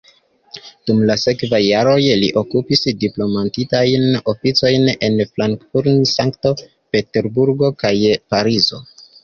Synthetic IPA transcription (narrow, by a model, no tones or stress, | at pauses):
d̥umlase̞kvajːaɾo̞jliʔo̞kupisdiplo̞mantitajno̞fit͡so̞jne̞nflaŋkfuɾnsaŋkto̞ | pe̞te̞ɾbuɾɡo̞kajpaɾizo̞̰